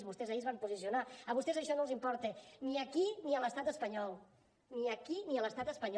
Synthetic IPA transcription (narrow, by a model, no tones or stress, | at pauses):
zβust̪ɛzaiəzβampuzisiunaəβust̪ɛzəʃɔnõlˠzimpɔɾt̪eniəkiniələst̪at̪əspəɲɔlˠ | niəkiniələst̪at̪əspəɲ